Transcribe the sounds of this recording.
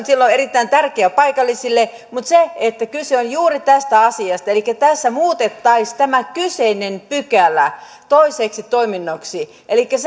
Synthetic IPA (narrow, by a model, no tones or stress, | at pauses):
nsilːoerit̪ːæint̪ærkeæpɑikɑlːisilːe | mut̪seet̪ːækylseonjuːrit̪æst̪æɑsiɑst̪ɑelikːæt̪æsːæmuːt̪et̪ːɑist̪æmækyseinenpykælːˑæ | t̪oiseːksit̪oiminːoksi | ʔelikːæs